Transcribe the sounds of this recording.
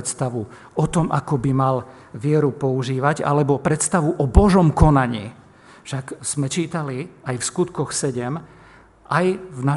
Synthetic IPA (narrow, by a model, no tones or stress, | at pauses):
t̪st̪aʋu | ɔt̪ɔmʔa̰kɔbimal | ʋɪɛɾupɔuʒiːʋaɟa̰lɛbɔpɾɛt̪st̪aʋuʔɔbɔʒɔmkɔnaɲḭː | fʃakz̥mɛt͡ʃiːt̪aliajfskut̪kɔxsɛɟɛm | ʔajvna